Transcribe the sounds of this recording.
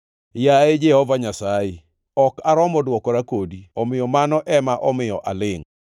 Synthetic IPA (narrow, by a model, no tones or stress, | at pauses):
jaed͡ʒɛhɔvaɲasaɪ | ɔkaɾɔmɔdwɔkɔɾakodiɔmɪjɔmanɔʔɛmaʔɔmɪjɔʔa̰lɪŋ